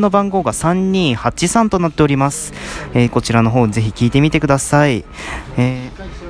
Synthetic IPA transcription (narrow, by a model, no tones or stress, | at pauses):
no̞bãŋɡo̞ːɡasãɲ̟ːĩɰ̃hat͡ɕisãnt̪o̞nat̪ːe̞o̞ɾʲimasɨ̥eːko̞t͡ɕiɾano̞ɦo̞ːɲize̞çikʲiːt̪e̞mʲit̪e̞kɯ̟d̪asai | eː